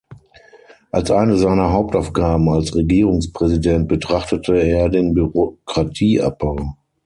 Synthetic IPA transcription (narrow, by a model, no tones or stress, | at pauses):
ʔalsʔaɪnəzaɪnɐɦaʊp̚taʊfɡ̥aːbm̩alsʁeɡiːʁʊŋspʁ̥ɛzidɛnt̚b̥ətʁ̥aχtətʰəeːɐdeːnbyʁokʁ̥atʰiːʔa̰p̚b̥aʊ